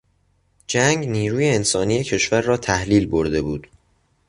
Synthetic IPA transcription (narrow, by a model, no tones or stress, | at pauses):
d͡ʒæŋɡniːɾuːje̞ːnsɒːnije̞cʰe̞ʃvæɾːɒːt̪ʰæhliːlboɾd̪e̞buːd̪̥